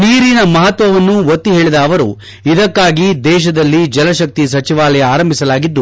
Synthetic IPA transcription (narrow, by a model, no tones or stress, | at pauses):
niːɾinɐmɐɦɐt̪ʋɐʋɐnːuʋot̪ːiɦeːɭid̪ɐːʋɐɾṵ | id̪ɐkːaːɡid̪ɛːʃɐd̪ɐlːid͡ʒɐlɐʃɐk̚t̪isɐt͡ʃiʋaːlɛjɐaːɾɐmbʱisɐlaːɡid̪ːu